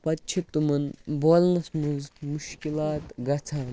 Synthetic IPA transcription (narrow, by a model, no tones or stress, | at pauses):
pɐtːt͡ʃʰit̪ːumɐnboːlnɐsmuzmuʃkilaːt̪ɡɐt͡sʰaːn